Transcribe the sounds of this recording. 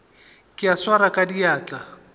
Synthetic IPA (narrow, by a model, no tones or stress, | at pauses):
kʼɪaswaɾakʼadiaːt͡ɬʼa